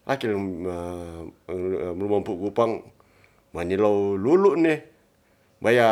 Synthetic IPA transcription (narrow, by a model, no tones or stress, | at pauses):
lʔakil | mlumampuʔɡupaŋ | manilowluluʔne | baja